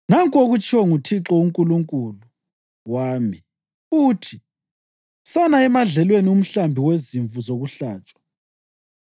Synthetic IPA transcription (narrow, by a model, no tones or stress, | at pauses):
naŋkʼoɣut͡ʃʼʰiwɔŋutʰiǁɔuŋkʼuluŋkʼulu | waːmi | uːtʰi | sanaɛmaɮɛlwenium̩ɬambʱiweziɱvuzoɣuɬaːt͡ʃʼḁ